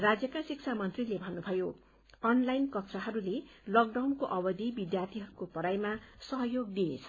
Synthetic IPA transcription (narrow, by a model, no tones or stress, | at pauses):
rad͡zjʌkasikt͡sʰamʌnt̪rilebʱʌnːubʱʌjo | ʌnlajnkʌtsʰaɦʌɾulelʌk̚ɖawnkoʔʌbʌd̪ibid̪jart̪ʰiɦʌɾukopʌɾajmasʌɦʌjoɡ̚d̪inḛt͡sʰʌ̥